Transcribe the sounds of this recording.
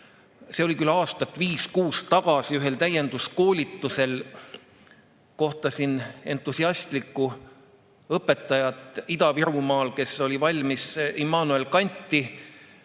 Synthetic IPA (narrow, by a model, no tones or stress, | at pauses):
se̞o̞lʲikylɑːst̪ɑt̪ːˑviːskuːst̪ːɑɡ̥ɑsiyɦe̞lt̪æje̞nd̪̥usko̞ːlʲit̪ːuse̞l | ko̞ht̪ɑsine̞nt̪ːˑusiɑst̪likːˑu | ɤpːˑe̞t̪ːˑɑjɑt̪ˑid̪ɑviɾumɑːlke̞so̞lʲivɑlʲmisimɑːnue̞lkɑnʲt̪ˑːi